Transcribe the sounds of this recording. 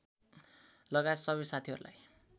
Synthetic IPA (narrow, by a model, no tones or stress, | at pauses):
lʌɡaesʌβʌsat̪ʰiɦʌ̰ɾula̰j